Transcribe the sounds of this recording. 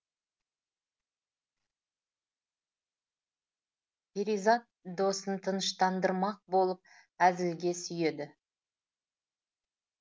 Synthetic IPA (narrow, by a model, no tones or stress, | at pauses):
pʲeɾijzɑt̪̚d̪o̞sənt̪ʰənəʃt̪ɑnd̪əɾmɑq̚bo̞lˠəp̚æzɪlɡʲe̞sʏje̞d̪ɪ